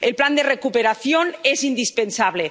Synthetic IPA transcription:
elpland̪erekupeɾaθjonesind̪ispensaβle

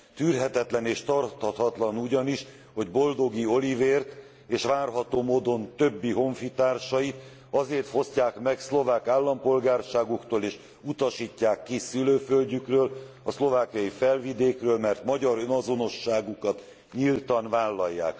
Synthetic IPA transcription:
t̪yːrɦɛt̪ɛt̪lɛneːʃt̪ɒrt̪hɒt̪hɒt̪lɒnuɟɒniʃ | ho̞ɟbo̞ld̪o̞ɡio̞liveːrt̪ | eːʃʋaːrɦɒt̪oːmoːd̪o̞nt̪ø̞bːiɦo̞ɱfit̪aːrʃɒjit̪ | ɒzeːrt̪ho̞scaːkmɛkslo̞vaːkaːlːɒmpo̞lɡaːrʃaːɡukt̪oːleːʃ | ut̪ɒʃiːcːaːkːisyløːfølɟykrøːl | ɒslo̞vaːkijɒjifɛlvid̪eːkrøːlmɛrt̪mɒɟɒɾønɒzo̞no̞ʃːaːɡukɒt̪ | ɲilt̪ɒnvaːlːɒjːa̰ːk

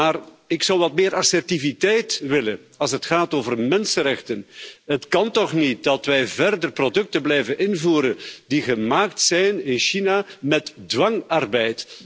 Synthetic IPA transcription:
aːr | ɪksɑwʋɑtmɪːɾɑsɛrtivitɛjtʋɪlə | ɑlˠsɦətxaːtoːvərmɛnsənɾɛxtənɦətkɑntɔχnit̚dɑtʋɛjvɛrdərprodɵk̚tənblɛjvənɪnvuːɾəndiɣəmaːk̚tsɛjnɪnʃinamɛtdwɑŋɑrbɛjt

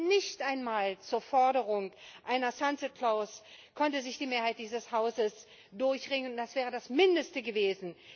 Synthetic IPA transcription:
nɪçtʔaɪnmaːlt͡suːɐfɔɐdəʁʊŋʔaɪnɐsansəkʰlaʊskʰɔntəzɪçd̥iːmeːɐhaɪt̚d̥iːzəshaʊzəs | d̥ʊɐçʁɪŋənntd̥asv̥ɛːʁ̞ədasmɪndəstəɡəveːzn̩

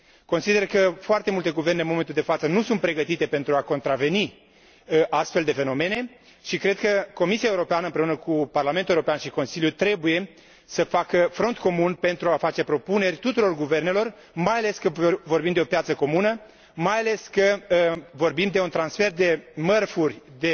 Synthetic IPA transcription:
ko̞nsid̪e̞rkəfoart̪e̞mult̪e̞ɡuve̞rnenmome̞nt̪uld̪efat̪sənusunt̪̚pɾe̞ɡət̪it̪e̞pe̞nt̪ɾuako̞nt̪ɾave̞ni | ʔast̪fe̞ld̪e̞fe̞no̞me̞ne̞ | ʃikɾe̞d̪̚kəko̞misiaeuɾo̞peanəɨmpɾe̞unəkuparlamenuewoɾopeanʃiko̞nsilijut̪ɾe̞buje̞ | səfakəfɾo̞nt̪ko̞munpe̞nt̪ɾuafat͡ʃe̞pɾo̞pune̞rʲt̪ut̪uɾo̞rɡuve̞rne̞lo̞r | majale̞skəvorbimd̪e̞o̞pjat̪səko̞munə | majale̞skəvo̞rbimd̪e̞unt̪ɾansfe̞rd̪e̞mərfurʲd̪e

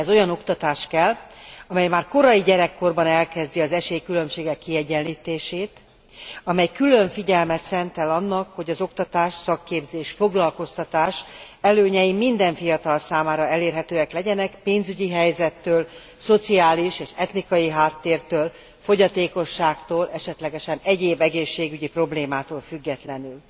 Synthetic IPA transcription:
ɛzo̞jɒno̞kt̪ɒt̪aːʃkɛlːɒmɛjmaːrko̞ɾɒjiɟɛɾɛkːo̞rbɒnɛlkɛzd̪iɒzɛʃeːjkylø̞mʃeːɡɛkːiɛɟːɛnliːt̪eːʃeːt̪ | ɒmɛjkylø̞ɱfiɟɛlmɛt̪sɛnt̪ɛlɒnːɒkho̞ɟɒzo̞kt̪ɒt̪aːʃsɒkːeːbzeːʃfo̞ɡlɒlko̞st̪ɒt̪aːʃ | ɛløːɲɛjimind̪ɛɱfijɒt̪ɒlsaːmaːɾɒɛleːrɦɛt̪øːɛklɛɟɛnɛkpeːnzyɟiɦɛjzɛt̪ːøːl | so̞t̪siaːliʃeːʃɛt̪nikɒjiɦaːt̪ːeːrt̪øːl | fo̞ɟɒt̪eːko̞ʃːaːkt̪oːlʔɛʃɛt̪lɛɡɛʃɛnɛɟeːbɛɡeːʃːeːɡyɟipro̞bleːmaːt̪oːlfyɡːɛt̪lɛnyl

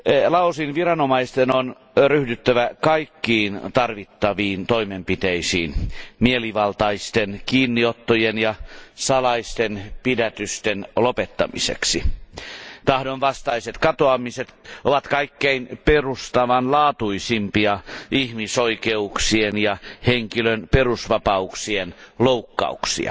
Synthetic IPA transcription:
lɑusinʋirɑnomɑist̪enon | ryhdyt̪ːæʋækɑikːiːnt̪ɑrʋit̪ːɑʋiːnt̪oimempit̪eisḭːnmieliʋɑlt̪ɑist̪enkiːnːiot̪ːojenjɑsɑlɑist̪enpidæt̪yst̪enlopet̪ːɑ̰mḭsḛksi | t̪ɑhdonʋɑst̪ɑiset̪kɑt̪oɑmiset̪oʋɑt̪kɑikːeinperust̪ɑʋɑnlɑːt̪uisimpiɑihmisoikeuksienjɑheŋkilønperusʋɑpɑuksienloukːɑ̰uksḭɑ̰

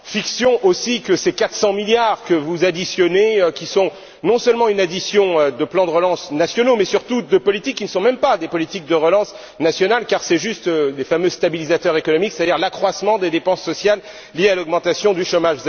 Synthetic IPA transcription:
fiksjɔ̃ʔosikəsekat̪χsɑ̃miljaʁkəvuzad̪isjɔneøkʲisɔ̃ | nɔ̃sœlmɑ̃ynad̪isjɔ̃ød̪əplɑ̃d̪əʁəlɑ̃snasjɔnomɛsyʁt̪ud̪əpɔlit̪ikːinəsɔ̃mɛmpad̪epɔlit̪ik̚d̪əʁəlɑ̃s | nasjɔnalkaʁsɛʒyst̪ølefamøst̪abilizat̪œʁekɔnɔmikse̥t̪ad̪iʁlakχwasmɑ̃d̪ed̪epɑ̃sːɔsjalː | ijealɔɡmɑ̃t̪asjɔ̃d̪yʃomaʒ

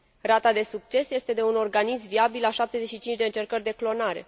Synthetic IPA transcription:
rat̪ad̪e̞sukt͡ʃe̞sje̞st̪e̞d̪e̞uno̞rɡanismviabilaʃap̚t̪e̞zet͡ʃʃit͡ʃint͡ʃʲd̪e̞ɨnt͡ʃe̞rkərʲd̪e̞klo̞naɾe̞̰

